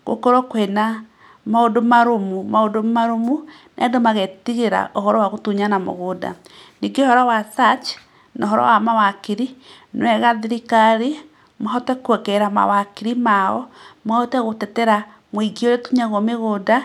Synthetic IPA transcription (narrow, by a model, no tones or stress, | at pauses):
ɣo̰koɾɔkwɛna | maodomaɾomumaodomaɾomu | nɛ̰ɛndomaɣɛtiɣeɾa̰ʔoɦɔɾɔwaɣotuɲanamo̰ɣoda̰niɡeohɔɾɔwasat͡ʃ | nɔɦɔɾɔ̰wamawakiɾi | nwɛɣaðiɾikaɾe | maɦɔtɛkwɛkɛɾama̰wakiɾimaɔmahɔtɛɣotɛtɛɾa | mwiɡioɾetuɲaɣwɔmeɣoda